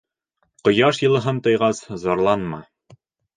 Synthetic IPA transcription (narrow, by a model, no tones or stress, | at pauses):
qŏjɑʃjɤ̆lˠɤ̆ɦɤnt̪ɤ̆jʁɑszɒɾlˠɑnmɑ̰